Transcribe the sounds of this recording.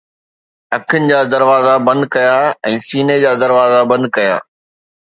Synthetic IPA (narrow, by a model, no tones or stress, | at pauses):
ɐkʰənɪ̆d͡ʑaːd̪ɐɾʋaːzabɐ̃nd̪̚kɐjaɛ̃ːsiːned͡ʑaːd̪ɐɾʋaːzabɐ̃nd̪̚kɐja̰ː